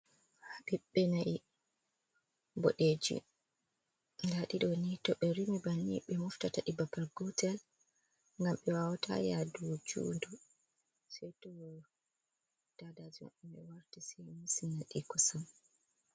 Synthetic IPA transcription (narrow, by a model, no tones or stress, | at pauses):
haɓiɓːɛnai | bɔɗed͡ʒḭ | daɗiɗɔnitɔɓɛɾimibaniɓɛmɔftataɗibabalɡɔtɛl | ŋɡamɓɛwawatʰa̰jadud͡ʒṵːndɔ | sɛjtɔ | d̥adad͡ʒiɔ̰ʔɛmɛ̰waɾtisɛjmisinaɗikɔsam